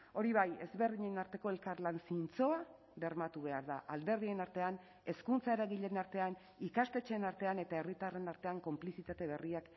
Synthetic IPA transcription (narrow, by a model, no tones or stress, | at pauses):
o̞ɾiβ̞aje̞zβe̞rðiɲenaɾt̪e̞ko̞e̞lkarlansint͡so̞a | βe̞rmat̪uβ̞e̞aɾða̰ʔald̪e̞ɾðie̞naɾt̪e̞an | e̞skunt͡sae̞ɾaɣiʎe̞naɾt̪e̞an | ikast̪e̞t͡ʃe̞ːnaɾt̪e̞ane̞t̪ae̞rit̪are̞naɾt̪e̞aŋko̞mplisit̪at̪e̞β̞e̞riak